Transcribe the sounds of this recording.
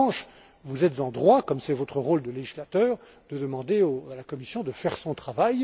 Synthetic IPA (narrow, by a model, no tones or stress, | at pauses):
ʃ | vuzɛt̪zɑ̃d̪ʁwakɔmsɛvɔt̪χəʁold̪əleʒislat̪œːʁ | d̪̥əd̪əmɑ̃d̪eoalakɔmisjɔ̃d̪əfɛʁsɔ̃t̪χavaj